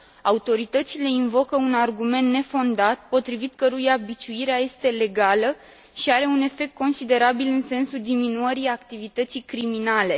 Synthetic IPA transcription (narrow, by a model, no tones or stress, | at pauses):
aut̪o̞ɾit̪ət̪sile̞invo̞kəunarɡume̞nt̪ːne̞fo̞nd̪at̪̚po̞t̪ɾivit̪̚kəɾujabit͡ʃuiɾeaje̞st̪e̞le̞ɡalə | ʃiaɾe̞une̞fe̞k̚t̪̚ko̞nsid̪e̞ɾabilɨnse̞nsuld̪iminuəɾijakt̪ivit̪ət̪sijkɾiminale̞